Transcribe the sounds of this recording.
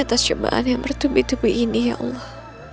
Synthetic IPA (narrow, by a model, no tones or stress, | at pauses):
at̪ast͡ʃoba̰ʔa̰njaŋmərt̪ubit̪ubuʔinija̰ʔɑ̰lːɔh